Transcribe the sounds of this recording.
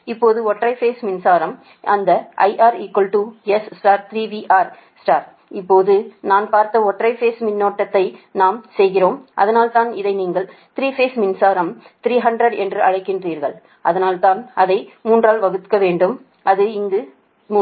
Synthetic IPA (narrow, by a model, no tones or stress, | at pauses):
ɪpːoːðɯɔʈrɐɪfeːsmɪnsaːɾɐm | ʔɐnd̪ɐʔɐ̰ɪʔaːɾiːkʋɐlʈuːɛssʈaːɾt̪ɪɾiːʋiːʔaːɾ | sʈaːɾ | ɪpːoːðɯnaːnpaːɾt̪ɐɔʈrɐɪfeːsmɪnːoːʈːɐt̪ːɐɪnaːmsɛjɣɪroːmʔɐ̰ðɐnaːlt̪aːnɪðɐɪniːŋɡɐɭt̪ɪɾiːfeːsmɪnsaːɾɐm | t̪ɪɾiːɦɐɳɖrɐɽɛndrɯɐɻɐɪkːɪndriːɾɣɐɭ | ʔɐðɐnaːlt̪aːnɐðɐɪmuːndraːlʋɐɣɯt̪kːɐʋeːɳɖɯm | ɐðɯɪŋɡɯ